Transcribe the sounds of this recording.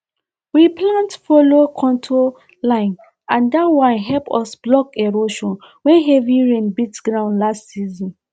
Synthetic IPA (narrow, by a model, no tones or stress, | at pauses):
wiplãntfolokʰɔ̃ntʰo | lãɪ̃n | ãndatwãnɦɛlpɔsblɔkɛɹoʃɔ̃n | wɛ̃nɦɛviɹẽnbitsɡɹãʊ̃nlastsizɔ̃n